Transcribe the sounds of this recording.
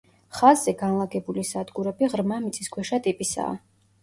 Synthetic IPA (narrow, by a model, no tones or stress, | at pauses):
χazːɛɡanlˠaɡɛbulisad̪ɡuɾɛbiʁɾmamit̪sʼiskʰwɛʃat̪ʼipʼisa̰ː